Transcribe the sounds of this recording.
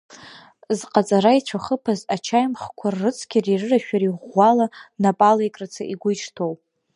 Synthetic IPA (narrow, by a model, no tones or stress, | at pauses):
zqʼat͡sʼaɾait͡ɕʷʰaχəpʰazat͡ʃʰajmχkʷʰarːɨt͡sʰkʲɪrirɨraʃᶣaɾiʁʷːalanapʼalajkʼrat͡sʰaʔiɡʷʊjt͡ʃʰtʰow